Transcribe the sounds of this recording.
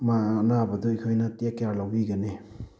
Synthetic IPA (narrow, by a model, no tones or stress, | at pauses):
manabɐdɔikʰojnɐtekjaɾlawbiɡɐne